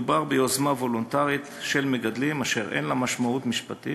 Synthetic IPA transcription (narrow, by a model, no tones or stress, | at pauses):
ubaʁbeozmavo̞lont̪aʁit̪ʃe̞lmeɡad̪limaʃeʁḛnlamaʃmaut̪miʃpat̪ḭ